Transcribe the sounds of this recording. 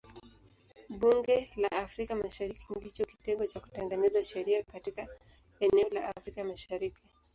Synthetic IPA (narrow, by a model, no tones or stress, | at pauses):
ɓuŋɡɛlaːfɾikamaʃaɾikindit͡ʃɔki̥tɛŋɡɔt͡ʃaku̥tɛŋɡɛnɛzaʃɛɾiakatika | ɛnɛɔlaʔafɾikamaʃaɾiki